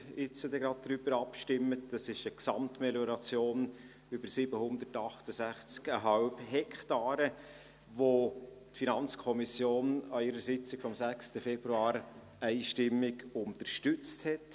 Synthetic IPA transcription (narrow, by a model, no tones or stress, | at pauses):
ɪt͡sədɛɡɾɑd̚d̥ɾybəɾɑpʃtɪmːətdɑsɪʃəksɑmtmɛljɔɾɑt͡sjoːn | yb̥əɾsɪbəhʊnd̪əɾtɑχtəsæχt͡skəɦɑlbhɛkʰtɑːɾə | ʋo | tfinɑnt͡skʰɔmisjoːnɑɪɾəsɪt͡sɪkfɔmsækstəfɛb̥ɾuɑːɾ | æɪʃtɪmːɪɡʊntəɾʃtʏt͡sthɛt